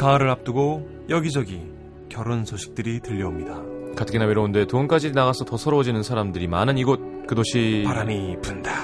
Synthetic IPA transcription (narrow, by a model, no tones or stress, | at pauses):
kaːɾɯɾap̚t͈ɯɡo | jʌɡid͡ʑʌɡi | kjʌɾonsʰoɕʰi̥k̚t͈ɯɾitɯʎːʌomɲidakatʰɯɡinaweɾounde̞tounk͈ad͡ʑinaɣasʰʌtʌsʰʌɾʌwod͡ʑinɯnsʰaɾamdɯɾimanɯniɡot̚ | kɯdoɕʰipaɾaɲipunda